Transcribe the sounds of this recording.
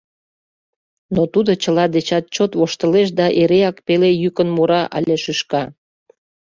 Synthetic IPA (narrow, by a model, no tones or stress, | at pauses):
not̪ud̪ot͡ɕəlɑd̪et͡ɕɑt̪̚t͡ɕot̪βoʃt̪əleʃ̬d̪ɑʔeɾeɑkpelejykənmuɾɑʔɑ̰lʲeʃyʃkɑ